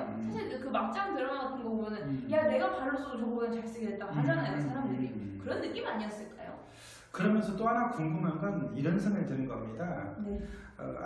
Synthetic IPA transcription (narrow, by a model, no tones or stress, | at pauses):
sʰaɕʰiɭɯkɯmak̚t͡ɕ͈aŋtɯɾʌɡatʰɯnɡʌɡɯmʌnɯnjane̞ɡapaɭːʌs͈ʰudot͡ɕʌmɡʌmʌnt͡ɕaes͈ɯɡidet͈̚akad͡ʑaŋajsʰaɾamdɯɾikɯɾʌnːɯk͈imiaɲiʌs͈ɯɭk͈a̰jo̰ | kɯɾʌmjʌnsʰʌt͈oɦanakoŋɡumɦanɡʌniɾʌnsʰɯŋeɭtenɯnɡʌamɲidane̞ʌ̰